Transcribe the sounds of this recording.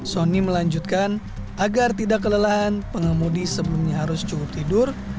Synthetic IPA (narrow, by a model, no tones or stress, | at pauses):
soniməlaɲd͡ʒut̪̚kan | ʔaɡart̪idakːələlaɦanpəŋəmudisəbəlumɲaɦaɾʊst͡ʃukʊp̚t̪idʊr